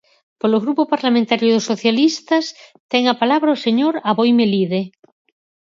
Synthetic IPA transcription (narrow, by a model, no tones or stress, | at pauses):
poloɣ̞ɾupopaɾlamẽnt̪aɾjoðosːoθjalist̪ɐst̪ɛŋapalaβ̞ɾaoseɲoɾaβojmeliðe